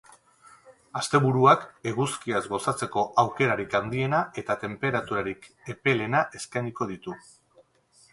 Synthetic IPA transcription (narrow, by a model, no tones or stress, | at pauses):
ast̪e̞βuɾuake̞ɣuskiazɡo̞sat͡se̞ko̞ʔawke̞ɾaɾikand̪ie̞naʔe̞t̪at̪e̞mpe̞ɾat̪uɾaɾik | e̞pe̞le̞naʔe̞skajniko̞ð̞it̪u